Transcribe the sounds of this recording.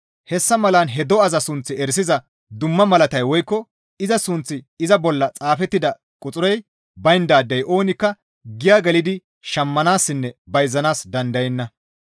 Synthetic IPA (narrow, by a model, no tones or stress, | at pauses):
hɛsːɐmɐlɐnɦɛd̪ɔɐzɐsʊnt͡sːɪɛɾs̬ɪzɐ | d̪ʊmːɐmɐlɐt̪ɐjwɔjkːɔ | ɪzɐsʊnt͡sːɪ | ɪzɐbɔlːɐt͡sʼaːfɛt̪ːɪd̪ɐ | kʼʊt͡sʼʊɾɛj | bɐjnd̪aːd̪ːɛjʔo̞ːnɪkːɐ | ɡɪjaːɡɛlɪd̪ɪ | ʃɐmːɐnaːsːɪnːɛbɐjzːɐnaːsd̪ɐnd̪ɐjɛnːɐ